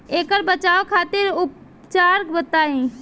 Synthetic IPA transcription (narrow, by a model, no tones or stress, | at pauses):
eːkəɾbət͡ʃaokʰaːt̪ɪɾʊp | t͡ʃaːɾkbət̪aẽ